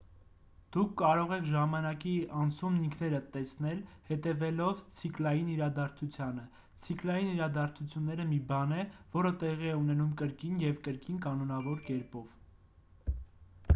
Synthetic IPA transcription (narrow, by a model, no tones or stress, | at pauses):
d̪̥ukʰːɑɾɔʁɛkʰʒɑmɑnɑkiɑnt͡sʰumniŋkʰnɛɾət̪ɛsnɛlhɛt̪ɛvɛlɔvt͡sʰiklɑjiniɾɑd̪ɑɾt͡sʰut͡sʰjɑnə | t͡sʰiklɑjiniɾɑd̪ɑɾt͡sʰut͡sʰjunːɛɾəmibɑnɛv̥ɔɾət̪ɛʁiɛunɛnumkəɾkinjɛvkəɾkinkɑnɔnɑvɔɾkɛɾpɔv̥